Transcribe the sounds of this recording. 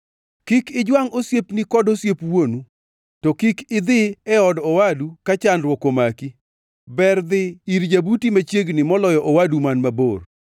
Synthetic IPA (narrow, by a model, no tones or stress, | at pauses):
kɪkɪd͡ʒwaŋosjepnikɔdosjepwonu | tɔkikɪd̪ɪɛɔdɔwadukat͡ʃanɾwɔkomaki | bɛrd̪ɪiɾd͡ʒabutimat͡ʃjeɡnɪmɔlɔjɔʔɔwadumanmabor